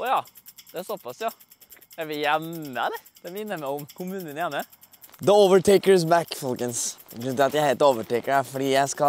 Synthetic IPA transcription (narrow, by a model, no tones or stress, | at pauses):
ɔjɑːd̪̥ɛsɔpːɑsjɑ | jæɪʋɪljɛmːəd̪ɛ | d̪̥ɛmɪnːəmæɪʊmkʰʊmʉːnənəjɛmːə | d̪əoːʋəʈʰeɪkəs̬bækfɔlkənsɡɾʉnt̪ʰlɑt̪jæɪheːlt̪oːʋəʈeɪkəɖæfɔɖiːjæɪskɑ